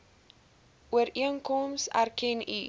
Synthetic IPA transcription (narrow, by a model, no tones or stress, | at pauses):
ʔuəɾiəŋkɔmsæ̰rkɛni